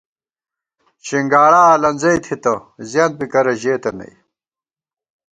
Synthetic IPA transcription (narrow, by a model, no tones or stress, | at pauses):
t͡ɕiŋɡaːɽaːlɐnzɐjt̪ʰit̪ɐzjaːnt̪̚pikɐɾɐʑeːt̪ɐnɐ̰j